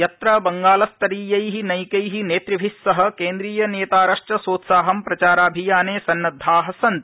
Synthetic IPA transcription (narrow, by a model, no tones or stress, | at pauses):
jɐt̪ɾɐbɐŋɡaːlɐst̪ɐɾiːjɐjɦinɐjkɐjɦineːt̪ɾɐbʱisːɐɦɐ̆keːnd̪ɾiːjɐneːt̪aːɾɐʂʈɐsoːt̪saːɦɐmpɾɐt͡ʃaːɾaːbʱijaːneːsɐnːɐd̪ʱːaːɦɐsɐnt̪